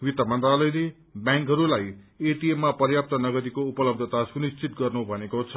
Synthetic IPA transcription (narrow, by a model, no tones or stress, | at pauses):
wit̪ʌmʌnt̪ralʌjle | bjaŋkɦʌɾulaj | eʈiemːapʌrjap̚t̪ʌnʌɡʌɾikoupʌlʌb̚d̪ʱʌt̪asunist͡sit̪̚ɡʌrnubʱʌnekot͡sʰʌ